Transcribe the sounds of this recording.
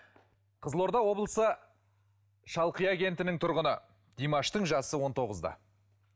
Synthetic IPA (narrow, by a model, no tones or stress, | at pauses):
qʰəzlˠo̞ɾd̪ɑwo̞blˠəsə | ʃɑlˠqijaɡʲe̞nt̪ɪnɪŋt̪ʰʊɾʁənə | d̪̥ijmɑʃt̪əɴʒɑsəwo̞nt̪ʰo̞ʁəzd̪ɑ̰